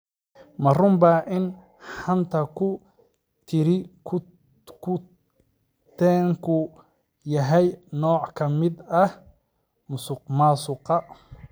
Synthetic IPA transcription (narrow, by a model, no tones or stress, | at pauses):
mɐrʊmbɐʔɪn | ħɐnt̪ʰɐkʊ | t̪ʰɪɾɪ | kʰʊ | t̪ʰɛːŋkʰʊ | jɐɦɛjnɔːʕkʰɐmɪd̪ɐh | mʊsʊqmaːsʊqɑ